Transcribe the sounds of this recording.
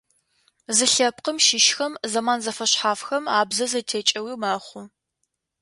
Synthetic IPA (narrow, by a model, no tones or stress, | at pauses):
zɨɬɐp̚qəmʃɪʃxɐmzɐmaːnzɐfɐɕħaːfxɐmaːbzɐzɐtʰeːt͡ʃʼɐwiːmaːχʷʊ